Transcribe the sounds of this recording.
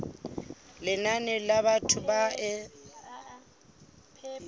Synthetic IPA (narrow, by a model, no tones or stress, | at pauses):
lɪnanɛlaβatʰʊbaʔɛ